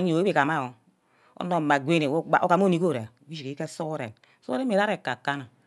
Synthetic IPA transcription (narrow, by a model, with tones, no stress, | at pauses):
ɲi˦˨e˦e˨ka˨ma˦˨o˨ | o̰˦no˨ma˨ɡʷe˦ne˨˦a̰˨o̰˦ka˨m˦o˦ni˦ko˦˨ɾe˨wi˦ʃi˨ke˨˦ke˦so˦ɾḛ˨n˦so˦ɾe˦me˨ɾa˦ɾe˨kːa˨kːa˦na˨